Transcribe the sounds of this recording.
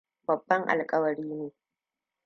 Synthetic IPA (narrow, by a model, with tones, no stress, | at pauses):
bɐ˨bːɐ˦ŋʔa̰˨lkʼɐ˦wɐ˨ɾiː˦neː˨